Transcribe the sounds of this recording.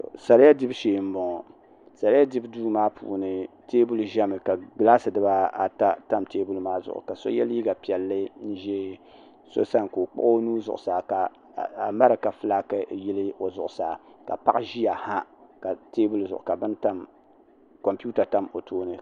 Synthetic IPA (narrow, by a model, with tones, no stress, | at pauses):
sa˨lɪ˦ja˦dɪ˦bʃeː˨m̩˦bɔ˨ŋɔ˨ | sa˨lɪ˦a˦dɪ˦bduː˦maː˦pʰṵː˨nɨ˨ | teː˦bu˦lʒɛ˦mɨ˨ka˨ɡlaː˦sɨ˨dɨ˦ba˦a˨ta˦ta˦mteː˦bu˦lmaː˦zʊ̰˨ʔʊ̰˨ka˨so̰˦jɛ˦li˦ɡa˨pi˨ɛ˨lːɨ˦n̩˦ʒe˦ | so̰˦sa˦nko˨k͡pʊ̰˦ʔo˦nuː˦zʊ̰˨ʔʊ˨saː˨ka˨ | a˨ma˦ɾɨ˨ka˨fɨ˦la˦kɨ˨ji˦lɨ˦o˨zʊ˨ʔʊ˨saː˨˦ka̰˨pa̰˦ʔʒi˦ja˨ha˦ka˨teː˦bu˦lzʊ˨ʔʊ̰˨ka˨bɨ˦nta˦m | ko˨mpu˦ta˨ta˦mo˨tʰoː˦nɨ˦